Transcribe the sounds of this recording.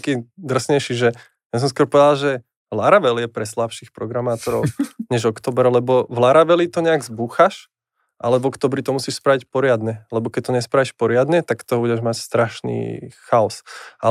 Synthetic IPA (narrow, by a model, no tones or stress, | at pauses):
akiːd̪r̩sɲɛjʃiʒɛ | jas̬ɔ̃ms̬kwɔɾpɔʋɛd̪alʒɛ | laɾaʋɛljɛpɾɛslapʃiːxpɾɔɡɾamaːt̪ɔɾɔ̰ʊɲɛʒɔkt̪ɔːbɛɾlɛbɔvlaɾaʋɛlit̪ɔɲɛaɡzbuxaʃ | ʔalɛvɔkt̪ɔːbɾit̪ɔmusiːʃspɾaʋicpɔɾɪad̪ɲɛlɛbɔkɛc̚t̪ɔɲɛspɾaʋiʃpɔɾɪad̪ɲɛt̪akt̪ɔbuɟɛʒmacst̪ɾaʃnḭːxaɔsa